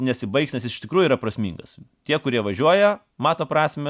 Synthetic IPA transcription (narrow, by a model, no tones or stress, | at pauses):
nʲɛsʲɪbɐɪksʲnʲɛsɪsɪʃt̪ʲɪkɾuːjʊiːɾɐpɾɐsʲmʲḭːŋɡɐst̪ʲiɛkʊɾʲiɛʋɐʒʲuɔjɛ | mɑːt̪oːpɾɑːsʲmʲɛ